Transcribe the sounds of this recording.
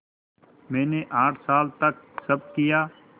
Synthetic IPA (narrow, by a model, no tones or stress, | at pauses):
mɛ̃ːneʔaːʈʰsaːlt̪ɐk̚sɐb̚kijaː